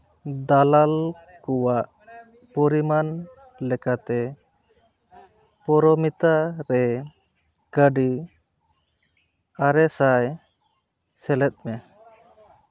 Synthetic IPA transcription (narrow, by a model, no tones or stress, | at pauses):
d̪alal | kɔwaʔ | pɔɾiman | lɛkat̪ɛ | pɔɾɔmit̪aɾɛ | kəɖi | aɾɛsaj | sɛlɛt̪̚mɛ